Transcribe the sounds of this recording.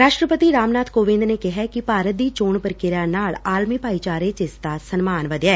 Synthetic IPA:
ɾaːʃʈɾəpət̪iːɾaːmnaːt̪koːʋɪ̃nd̪neːkɪɦɛːkɪpaːɾət̪̚d̪iːt͡ʃoːɳpəɾkɪɾãːnaːɭaːlmiːpaːiːt͡ʃaːɾeːt͡ʃɪst̪asənmaːnʋəd̪jaɛː

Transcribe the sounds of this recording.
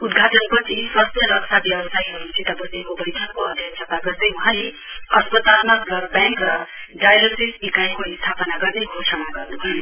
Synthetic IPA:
ud̪ɡʱaʈʌnpʌt͡sʰisʌsʌlʌksʰabjʌbʌsajɦoint͡sʰit̪ʌbʌsẽkobʌjt̪ʰakoʌd̪ʱjʌksʰʌp̪aɡʌt̪ʌ̃j̃uɦãle | ʌspʌt̪almalʌɡbãŋkrʌ | ɖajlosisbikajkoist̪ʰapʌnaɡʌrneɦosʰʌmaɡʌrnubʱʌju

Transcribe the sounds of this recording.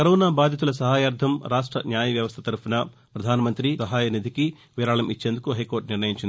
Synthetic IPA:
kɐɾɔːnaːbaːd̪ʱjit̪ulɐs̬ɐɦaːjaːɾd̪ʰʱɐmɾaːʂʈɾɐ̰njaːjɐʋjɐʋɐst̪ʰɐt̪ɐɾpunɐ | pɾɐd̪ʱaːnɐmɐnt̪ɾisɐɦaːjɐnid̪ʱiki | ʋiːɾaːɭɐmit͡ʃːeːnd̪ukuɦɐjkoːɾʈniɾnɐjiɲt͡ʃini

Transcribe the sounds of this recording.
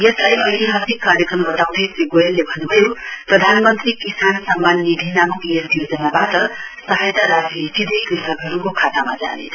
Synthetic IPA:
jʌslajʌjleɦʌt̪ikːaɾjʌkrʌmbʌt̪aw̃d̪ʱesiɡoelːebʱʌnːubʱʌjoprʌd̪ʱanmʌnt̪rikisansamːanːid̪ʱinamukjʌijod͡zʌnabatʌsʌɦajt̪aɾasit̪id̪ʱʌjkrisʌɡɦʌɾukokʰat̪amad͡za̰nḛ

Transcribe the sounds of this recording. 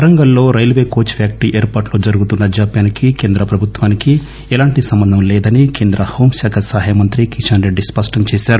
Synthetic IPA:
ɐɾɐŋɡɐlːo̞ːɾɐjlʋeːko̞ːt͡ʃʋjaːk̚ʈiʔeːɾpaːʈlo̞ːd͡ʒɐɾuɡut̪unːɐd͡ʒaːpjaːnikike̞ːnd̪ɾɐpɾɐbʱut̪ʋaːniki | ɛlaːɳʈisɐmbɐnd̪ʱɐmlɛːd̪ɐnikeːnd̪ɾʔɐho̞ːmsaːkʰɐsaːɦjamɐnt̪ɾikiʃɐnɾe̞ɖːispɐsʈɐmt͡ʃeːʃaːɾu

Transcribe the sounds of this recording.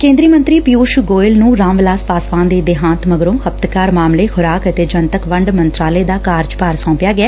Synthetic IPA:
kẽːnd̪ɾiːmə̃nt̪ɾiːpijuːʃɡoːɪlnũːɾãːmʋlaːspaːsʋãːnd̪eːd̪ɪɦãːnt̪məɡɾõːhəp̚t̪kaːɾmaːmleːxʰʊɾaːkət̪eːd͡ʒənt̪əkʋəɳɖmənt̪ɾaːleːd̪aːkaːɾd͡ʒpaːɾsɔ̃ːpjaːɡɪɛː

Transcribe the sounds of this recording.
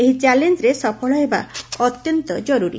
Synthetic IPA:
eɦit͡ʃalend͡ʒɾesɔpʰɔɭaeba̰ɔt̪jɔnt̪ɔd͡ʒɔɾuɾḭ

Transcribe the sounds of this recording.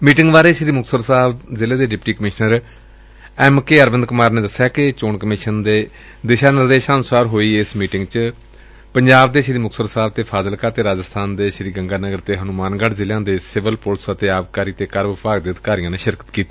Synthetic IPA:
miːʈɪŋɡbaːɾeːʃɾiːmʊksəɾsaːbzɪlẽːd̪eːɖɪpʈiːkəmɪʃnəɾ | ɛːmkeːəɾʋənd̪kʊmaːɾnẽːd̪əsːjaːkɪt͡ʃoːɳkəmɪʃənd̪eː | d̪ɪʃaːnɪɾd̪eːʃaːnsaːɾɦoːiːɪsmiːʈɪŋɡt͡ʃ | pəɲd͡ʒaːbd̪eːʃɾiːmʊksəɾsaːbt̪eːpʰaːzəlkaːt̪eːɾaːd͡ʒəst̪ʰaːnd̪eːʃɾiːɡə̃ŋɡaːnəɡəɾt̪eːɦənʊmaːnɡəɽzɪljãːd̪eːsɪʋəlpʊlsət̪eːaːʋkaːɾiːt̪eːkəɾbɪpaːɡd̪ɪəd̪kaːɾijãːneːʃɪɾkə̥t̪kiːt̪iː

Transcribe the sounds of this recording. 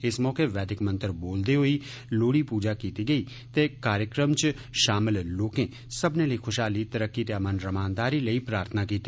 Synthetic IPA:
ɪsmɔːkeʋɛːd̪ɪkmə̃nt̪əɾboːld̪eɦoi | loːɽipuːd͡ʒakiːt̪iɡəi | t̪ekaːɾjəkɾəmt͡ʃ | ʃaːmɪlloːkẽː | səbneləikʰʊʃɦaːlit̪əɾəkːit̪jamənɾəmaːnd̪aːɾiləiːpɾaːɾt̪ʰənakiːt̪i

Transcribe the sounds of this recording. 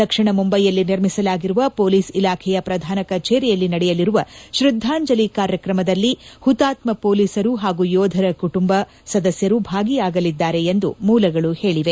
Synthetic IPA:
t̪ɐkʂiɳɐmumbɐjːɐlːiniɾmisɐlaːɡiɾuʋɐpo̞ːliːsilaːkʰɛjɐpɾɐd̪ʱaːnɐkɐt͡ʃeːɾijɐlːinɐɽɛjɐliɾuʋɐʃɾud̪ʱːaːɲd͡ʒɐlikaːɾjɐkɾɐmɐd̪ɐlːihut̪aːt̪mɐpoːliːsɐɾuɦaːɡujɔːd̪ʱɐɾɐkuʈumbɐ | sɐd̪ɐsjɐɾubʱaːɡijaːɡɐlid̪ːaːɾe̞ːnd̪umuːlɐɡɐɭuhe̞ːɭiʋe̞

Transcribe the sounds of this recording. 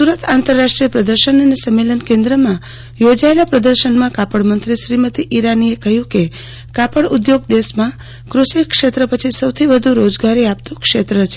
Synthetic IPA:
suɾət̪ʰant̪əɾːaʃʈɾijəpɾəd̪əɾʃənənesəmːelənkẽnd̪ɾəmã | jod͡ʒaelapɾəd̪əɾʃənmãkapəɽmənt̪ɾiʃɾimət̪iʔiɾaniekəɦjũke | kapəɽud̪joɡ̚d̪esmã | kɾusikʃet̪ɾəpət͡ʃʰisəwt̪ʰibəd̪ʱũɾod͡ʒɡaɾiap̚t̪ũkʃet̪ɾət͡ʃʰe

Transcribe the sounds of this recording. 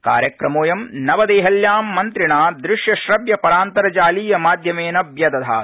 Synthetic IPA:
ka̰ːɾjɐkɾɐmoːjɐmnɐʋɐd̪eːɦɐljaːmːɐnt̪ɾiɳaːd̪ɾɪʂjɐʃɾɐbjɐpɐɾaːnt̪ɐɾɐt͡ʃaːliːjɐmaːd̪ʱjɐmeːnɐbjɐd̪ɐd̪ʱa̰ː

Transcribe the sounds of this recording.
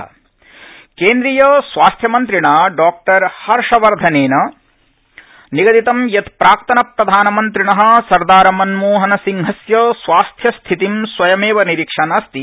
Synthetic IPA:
keːnd̪ɾijɐsʋaːst̪ʰjɐmɐnt̪ɾiɳaɖaːk̚ʈɐɾhɐɾʂɐʋɐɾd̪ʱɐneːnɐ | niɡɐd̪it̪ɐmjɐt̪pɾaːk̚t̪ɐnɐpɾɐd̪ʱaːnɐmɐnt̪ɾiɳɐɦɐ̆sɐɾd̪aːɾɐmɐnmoːɦɐnɐsiŋɦɐsjɐsʋaːst̪ʰjɐst̪ʰit̪imsʋɐjɐmeːʋɐniɾikʂɐnɐst̪i

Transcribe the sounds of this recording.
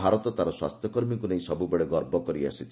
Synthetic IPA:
aɾɔt̪ɔt̪aɾɔswa̰st̪ʰjɔkɔɾmikuneĩsɔbubeɭeɡɔɾbɔkɔɾia̰sit̪ʰ

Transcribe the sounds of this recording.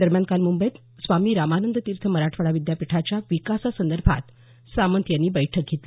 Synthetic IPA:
d̪əɾmjankalmumbəjt̪ | sʋamiːɾamanənd̪ət̪iːɾt̪ʰəməɾaʈʰʋəɽaʋid̪japiʈʰat͡ɕjaʋikasasənd̪əɾbʱa̰t̪ | samənt̪janːiːbəjʈʰək̚ɡʱet̪li

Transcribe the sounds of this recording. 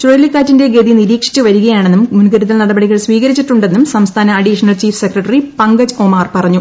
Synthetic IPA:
t͡ɕojɐlːikːaːtːinde̞ɡe̞ːðiniɾiːkʂi̥t͡ɕːuʋɐɾuɣɐjaːɳenːummunɡɐɾuðɐlnɐɽɐbɐɽiɣɐɭsʋiːɣɐɾit͡ɕːiʈːuɳɖe̞nːumsɐmst̪ʰaːnɐɐɖiʂɐnɐlt͡ɕiːfsekrɐʈːɐripɐŋɡɐd͡ʑomaːrpɐrɐɲːu

